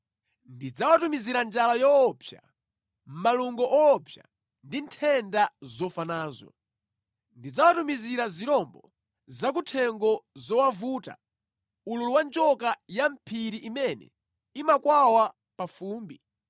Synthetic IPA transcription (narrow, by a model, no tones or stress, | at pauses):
ndid͡zawatumiziɾand͡ʒalajɔːpʰja̰ | m̩maluŋɡɔʔɔːpʰja̰ | ndintʰɛndazɔfanaːzɔ̰ | ndid͡zawatumiziɾaziɾɔmbɔ | zak̬utʰɛŋɡɔzɔwavuːta̰ | ululuwand͡ʒɔkajam̩pʰiɾiʔimɛnɛ̰ | imakwawa | pafuːmbi